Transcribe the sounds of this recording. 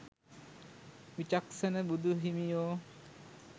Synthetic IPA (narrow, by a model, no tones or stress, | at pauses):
ʋit͡ʃaksənəbud̪ʱuɦimijoː